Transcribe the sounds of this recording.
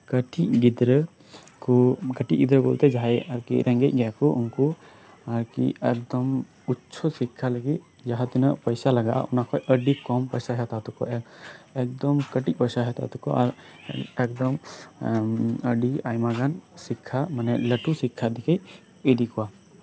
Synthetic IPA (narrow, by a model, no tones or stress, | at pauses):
kəʈiʔɡid̪ɾə | kɔɡəʈiʔɡid̪ɾəɡɔlt̪ɛd͡ʒaɦaɛəɾkḭɾʔɛŋɡɛc̚ɡɛjakɔʔunku | aɾkḭɛk̚d̪ɔm | utːt͡ʃʰɔsikʰːaləɡit̪̚ | d͡ʒaɦat̪inɔʔpəjsalaɡaʔa̰unakʰɔjʔəɖikɔmpəjsaɦɛat̪at̪ukɔ̰ʔɛɛk̚d̪ɔmkəʈic̚ˀpəjsaɦɛat̪a̰t̪ukɔ̰ʔaɾɛk̚d̪ɔm | əɖiajmaɡansikʰːamanɛləʈusikʰːad̪ikʰɛj | idikɔwa